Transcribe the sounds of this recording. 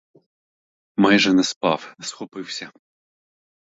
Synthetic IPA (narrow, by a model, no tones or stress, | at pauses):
majʐɛnɛspɑwnɛsxɔpɪwsʲɐ